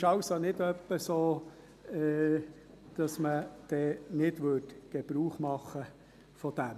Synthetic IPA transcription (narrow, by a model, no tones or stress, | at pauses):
ʃɑwsonɪdœpːəsoː | ɛ | d̪̥ɑsməd̥ɛːnɪdʋʏtɡ̥eb̥ɾuːχmɑχə | fɔd̥æm